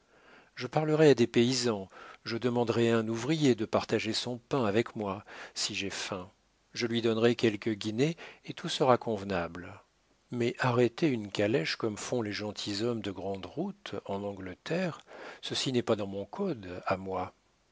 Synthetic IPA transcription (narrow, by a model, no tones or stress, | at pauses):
ʒəpaʁləʁɛad̪epeizɑ̃ʒəd̪əmɑ̃d̪ʁɛaɛ̃nuvʁijed̪əpaʁt̪aʒesɔ̃pɛ̃avɛkmwasiʒɛfɛ̃ | ʒəlɥid̪ɔnʁɛkʲɛlkəɡʲineːt̪ʰusəʁakɔ̃vnabl | mɛʔaʁɛt̪eynkalɛʃkɔmfɔ̃leʒɑ̃t̪ʰizɔmd̪əɡʁɑ̃d̪ʁut̪ɑ̃nɑ̃ɡlət̪ʰɛʁsəsinɛpad̪ɑ̃mɔ̃kʰɔd̪amwa